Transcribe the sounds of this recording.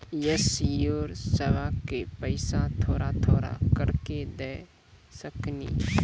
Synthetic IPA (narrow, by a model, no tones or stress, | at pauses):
jəsjoːɾseʋakepəɪsãt̪ʰoːɾat̪ʰoːɾa̰kəɽked̪ɛː | səknḭː